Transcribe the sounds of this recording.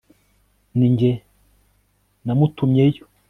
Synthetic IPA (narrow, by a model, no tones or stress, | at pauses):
niɲɟe | namutumɲejo